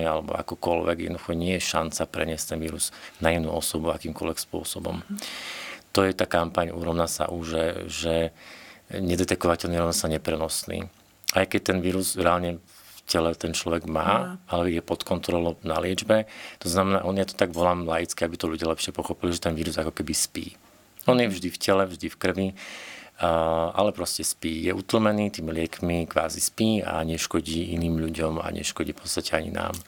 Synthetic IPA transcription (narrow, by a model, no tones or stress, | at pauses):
ialɛbɔ̰a̰kɔkɔlʋɛ̰ɡjɛd̪nɔd̪uxɔɲɪɛjɛʃant͡sapɾɛ̰ɲɪɛsct̪ɛnʋiːɾuz̥nainuːɔsɔbua̰kiːmkɔlʋɛkspʊɔ̰sɔbɔ̰m | t̪ɔjɛt̪aːkampaɲṵɾɔʊnasa̰ʔuʒɛʒɛ | ɲɛd̪ɛt̪ɛkɔʋacɛlniɾɔʊnasaɲɛpɾɛnɔsnḭː | ajkɛc̚t̪ɛnʋiːɾuzɾɛaːlɲɛ | fcɛlɛt̪ɛnt͡ʃlɔʋɛɡmaːalɛjɛpɔt̪kɔnt̪ɾɔlɔnalɪɛd͡ʒbɛt̪ɔznamɛnaːʔɔnjat̪ɔ̥t̪aɡʋɔlaːmlajit͡skiabit̪ɔʎuɟɪalɛpʃɪɛpɔxɔpiliʒɛt̪ɛnʋiːɾuzakɔkɛbispḭː | ɔnjɛvʒd̪ifcɛlɛvʒd̪ifkr̩ʋi | a̰lɛpɾɔscɛspiːjɛʔut̪l̩mɛniːt̪iːmilɪɛkmikʋa̰ːzispiːa̰ɲɛʃkɔɟiːʔiniːmʎuɟɔma̰ɲɛ̰ʃkɔɟiːfpɔ̥tt͡sst̪acɛaɲḭna̰ːm